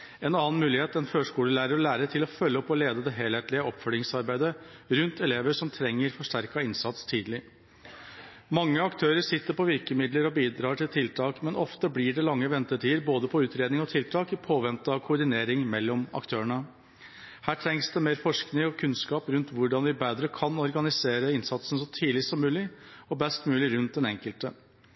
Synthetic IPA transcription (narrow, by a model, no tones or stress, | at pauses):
ɛnɑːnmʉːlɪheːt̪ɛnføːʂkuːləlæɪɾəɾɔlæːɾət̪ʰɪlɔfœlːəɔpːɔleːd̪əd̪ɛɦeːlheːt̪lɪəɔpfœljɪŋsɑɾbæɪd̪əɾʉnt̪ɛleːʋəʂɔmt̪ʰɾɛŋːəɾfɔʂʈæɾkɑɪnsɑt̪st̪ʰiːd̪lɪ | mɑŋːəɑkt̪ʰøːɾəʂɪt̪ːəɾpʰɔʋɪɾkəmɪd̪ləɾɔbiːd̪ɾɑːʈʰɪlt̪ʰɪlt̪ʰɑːkmɛnɔft̪əblɪɖɛlɑŋːəʋɛnt̪əʈʰiːəɾboːd̪əpʰɔʉːt̪ɾeːd̪nɪŋɔt̪ʰɪlt̪ʰɑːkɪpʰoːʋɛnt̪əɑkʰʊʊɖɪneːɾɪŋmɛlːɔmɑ̰kt̪ʰøːəɳə | hæːʈʰɾɛŋsd̪ɛmeːɾfɔʂknɪŋɔkʰʉnskɑːpɾʉnt̪ʋʊɖɑnʋɪbeːd̪ɾəkʰɑnɔɾɡɑnɪseːɾəɪnsɑt̪sən̩sɔt̪ʰiːlɪsɔmːʉːlɪɔbɛst̪mʉːlɪɾʉnt̪̚d̪ɛnɛŋkəlt̪ə